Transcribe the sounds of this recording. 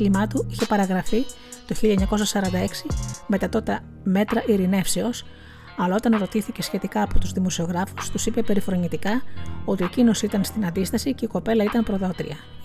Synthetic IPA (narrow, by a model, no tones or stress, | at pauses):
limɐt̪uiçe̞pɐɾɐɣɾɐfi | t̪o̞çiʎɐeɲɐko̞sɐsɐɾɐnd̪ɐe̞ksime̞t̪ɐt̪o̞t̪e | me̞t̪ɾɐʔiɾine̞fse̞o̞s | ɐlɐo̞t̪ɐnɾo̞t̪iθice̞sçe̞t̪ikɐːpo̞t̪uzðimo̞sio̞ɣɾɐfust̪usipe̞pe̞ɾifɾo̞ɲit̪ikɐo̞t̪iecino̞siit̪ɐnst̪inɐnd̪ist̪ɐsice̞iko̞pe̞lɐit̪ɐnpɾo̞ðot̪ɾḭɐ